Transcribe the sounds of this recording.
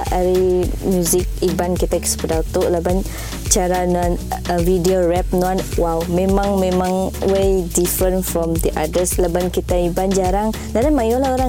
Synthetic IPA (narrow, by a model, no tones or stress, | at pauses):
aɾimjuzik̚ibankit̪aki̥spədawt̪oʔlaban | t͡ʃaɾananvidioɹɛp̚nuanwawmẽmãŋmẽmãŋwedifɾə̃nfɾɔmd̪iʔadəslabankit̪aiband͡ʒaɾaŋ | dadanmajolaoɾa